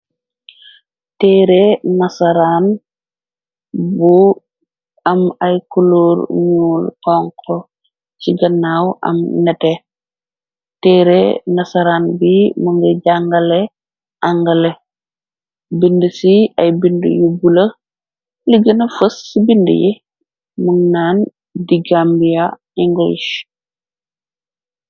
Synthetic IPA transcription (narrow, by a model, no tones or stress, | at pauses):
tɛːɾenɐsaɾaːn | bu | ɐmɐjkuloːɾɲuːlkɔŋkʰɔ | ciɡɐnːaːwʔɐ̰mnɛtɛ | tɛɾenɐsaɾaːnbiməŋɡəɟaŋɡɐle | ʔaŋɡɐle | bindəsiɐjbində̰jibulɐ | liɡənɐfəsːibində̰jḭ | muŋnaːn | diɡambija | iŋɡoiʃ